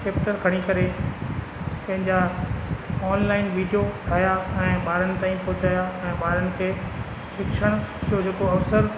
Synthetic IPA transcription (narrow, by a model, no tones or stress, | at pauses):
keːp̚ʈəɾɡʰʱɐɽ̃ikɐɾe | pɐ̃ɦɪ̃ɲd͡ʑa | ɔːnlaːɪnʋiːɖijoʈʰaːjaɛ̃ːɓaːɾənɪ̆t̪aːĩpɔɦʊt͡ɕaːjaɛ̃ːɓaːɾənɪ̆kʰeː | ʃɪkʃəɽ̃d͡ʑoːɦeːkoɐʋsəɾ